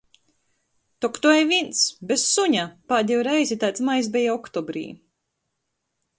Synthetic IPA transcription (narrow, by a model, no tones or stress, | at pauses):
t̪ɔkt̪uɛjvint̪sbʲessuɲapad̪ʲiwɾɛjzʲit̪ajt̪smajs̬bʲɛjaɔkt̪ɔbɾḭː